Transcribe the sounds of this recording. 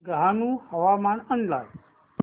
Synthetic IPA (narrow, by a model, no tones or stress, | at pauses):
ɡəɦanũhəʋamaːnənla̰ːj